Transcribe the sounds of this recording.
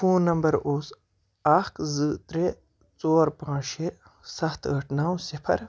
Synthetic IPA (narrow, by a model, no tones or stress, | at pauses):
fʰuːnːɐmbɐɾoːs | aːkzɨt̪ɾe | t͡soːɾpãːʃe | sɐxt̪ɣɐʈnaːwsipʰɐ̰ɾ